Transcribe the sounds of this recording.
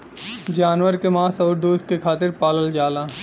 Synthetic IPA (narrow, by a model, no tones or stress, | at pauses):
d͡ʒaːnwəɾkemãːsɔːɾd̪oːskekʰaːt̪ɪɾpaːləld͡ʒaːlaː